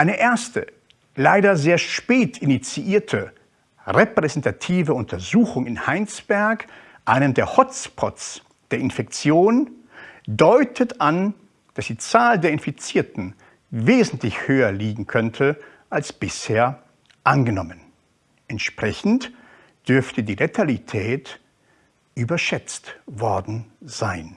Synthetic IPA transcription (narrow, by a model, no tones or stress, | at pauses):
ʔaɪnəʔeːɐstə̰ | laɪɾɐzeːɐʃpeːtɪnit͡siʔiːɐtʰə | ʁepʁ̥ɛzɛntʰatʰiːvəʊntʰɐzuːxʊŋɪnhaɪnt͡sb̥ɛɐk | ʔaɪnəmdeːɐhɔt͡spʰɔ̰tt͡s | d̥eːɐɪnfɛk̚t͡sjoːn | dɔʏtʰətʔan | d̥asd̥iːt͡saːldeːɐɪnfit͡siːɐtn̩ | veːzn̩tlɪçhøːɐliːɡŋ̩kʰœntʰə | ʔalsb̥ɪsheːɐ | ʔanɡənɔmən | ʔɛntʃpʁ̥ɛçn̩t | d̥ʏɐftədiːʁetʰalitʰɛːt | ʔyːbɐʃɛt͡stvɔɐdn̩z̥aɪn